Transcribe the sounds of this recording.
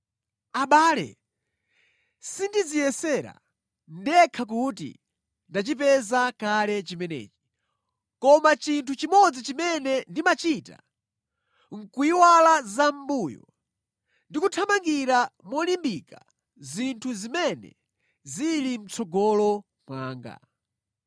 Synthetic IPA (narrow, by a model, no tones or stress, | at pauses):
aɓaːlɛ̰ | sindid͡zijɛsɛɾa̰ | ndɛkʰak̬utḭ | ndat͡ʃip̬ɛzakalɛt͡ʃimɛnɛ̰ːt͡ʃi̥ | kɔmat͡ʃintʰut͡ʃimɔd͡zit͡ʃimɛnɛndimat͡ʃita̰ | ŋ̩kuiwalazambuːjɔ̰ | ndikutʰamaŋɡiɾamɔlimbika | zintʰuzimɛnɛ̰ | zilim̩t͡sɔɡɔlɔ | mwaːŋɡa̰